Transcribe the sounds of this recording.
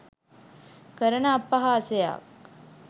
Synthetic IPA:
kəɾənəːpːaɦaːsəja̰k̚

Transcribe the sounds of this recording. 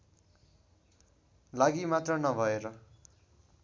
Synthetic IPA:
laɡimat̪rʌnʌbʱʌeɾʌ

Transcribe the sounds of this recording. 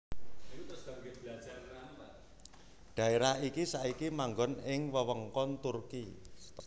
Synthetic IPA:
saɡbad͡ʒaa | ɖ̥a̤eɾaɦikisaikimaŋɡɔnɪŋwəwəŋkɔnt̪urki

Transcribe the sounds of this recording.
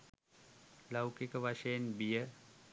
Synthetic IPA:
lawkikəʋaʂejənbijə

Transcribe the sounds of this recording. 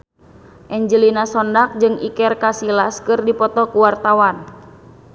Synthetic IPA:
ʔɛɲd͡ʒəlinasɔndak̚d͡ʒɨŋḭkɛrkasilaskɨrdipɔt̪ɔkuwart̪awan

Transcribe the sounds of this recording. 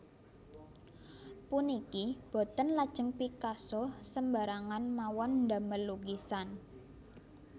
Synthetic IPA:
punikib̥ɔ̤t̪ənlad̥ʒ̥ə̤ŋpikasɔsəmba̤ɾaŋanmawɔnd̪a̤məlːuɡisan

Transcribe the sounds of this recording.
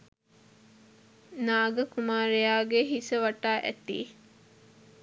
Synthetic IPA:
naːɡɐkumaːɾejaːɡeɦisɐʋɐʈːaːʔæ̰t̪ḭː

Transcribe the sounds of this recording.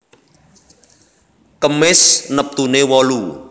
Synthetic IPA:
kəmɪsnəp̚t̪unewɔlu

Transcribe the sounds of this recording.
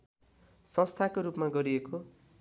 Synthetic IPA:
sʌ̃st̪ʰakoɾupmaɡʌɾieko

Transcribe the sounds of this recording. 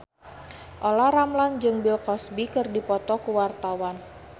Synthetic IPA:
ʔɔlaɾamland͡ʒɨŋbilkɔsbikɨrdipɔt̪ɔkuwart̪awan

